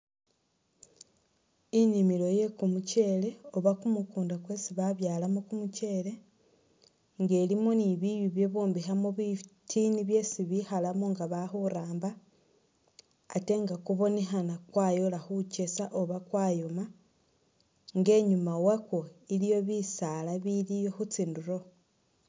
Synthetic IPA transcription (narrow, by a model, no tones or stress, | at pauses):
inimiɾo̞je̞kumuce̞ːle̞o̞βakumukuːndakwe̞siβaβjaːlamokumuce̞le̞ | ŋɡe̞ːlimoniβijuβje̞βoːmbixamoβitʰiːniβje̞ːsiβixalamoŋɡaβaxuɾaːmba | te̞ŋɡakuβo̞ne̞xanakwaːjo̞laxuce̞saʔoβakwaːjo̞ma | ŋɡe̞ɲumawakoilijo̞βisalaβiɾijo̞xut͡siːnduɾo̞